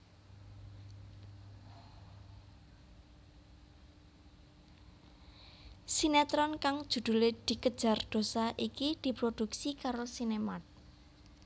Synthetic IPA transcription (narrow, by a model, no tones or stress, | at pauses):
sinɛt̪ɾɔnkaŋ̥ʒ̥ṳd̪̥ṳled̪̥i̤kəd̥ʒ̥a̤rd̪̥o̤saʔikid̪̥i̤pɾod̪̥ṳk̚sikaɾosinemat̪̚